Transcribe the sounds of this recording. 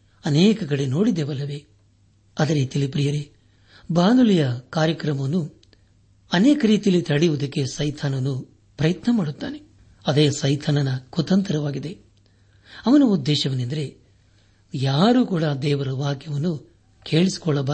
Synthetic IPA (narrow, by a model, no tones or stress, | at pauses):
ɐnɛːkɐɡɐɽeno̞ːɽid̪eːʋɐlːɐʋe̞ | ɐd̪ɐɾit̪ilipɾijɐɾe | baːnulijɐkaːɾjɐkɾɐmɐnːu | ɐnɛːkɐɾiːt̪ijɐlit̪ɐɽijʋud̪ɐkːe̞sɐjt̪ʰaːnɐnːu | pɾɐjɐt̪nɐmaːɽut̪ːa̰ːne̞ | ɐd̪eːsɐjt̪ʰaːnɐnɐkut̪ɐnt̪ɐɾɐʋaːɡid̪e̞ | ɐʋɐnuːd̪ːɛːʃɐʋɐnend̪ɐɾe̞ | jaːɾuːkuːɽad̪ɛːʋɐɾɐʋaːkjɐʋɐnːu | kʰe̞ːɭisi̥kɔɭːɐba